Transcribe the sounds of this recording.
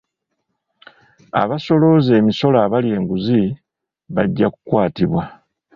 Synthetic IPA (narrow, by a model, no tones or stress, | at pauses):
a̰βaso̞lo̞ze̞ːmiso̞laːβalje̞ːŋɡuzi | βaɟːakukwaːtiβwa